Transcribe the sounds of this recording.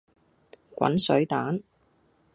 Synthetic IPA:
kʷɐ̰˨˥nsɵ̰˨˥ɥt̪aː˨˥n

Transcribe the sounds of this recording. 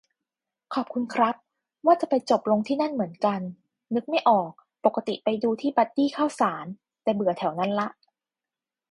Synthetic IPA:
kʰɔː˨˩p̚kʰu˧nkʰɾa˦˥p̚ | waː˥˩t͡ɕa˨˩pa˧jt͡ɕo˨˩p̚lo˧ŋt̪ʰiː˥˩na˥˩nmɯ˩˦ənka˧nː | ɯ˦˥k̚ma˥˩jʔɔː˨˩k̚ | po˨˩kːa˧˥t̪ḭ˨˩pa˧jduː˧t̪ʰiː˥˩ba˦˥t̪̚diː˥˩kʰaː˥˩wsaː˩˦n | t̪ɛː˨˩bɯ˨˩ət̪ʰɛ˩˦wna˦˥nla˦˥ʔ

